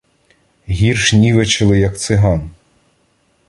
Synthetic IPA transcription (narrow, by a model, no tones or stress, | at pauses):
ɦʲirʃnʲiʋet͡ʃɪlˠɪjɐkt̪sɪɦɑn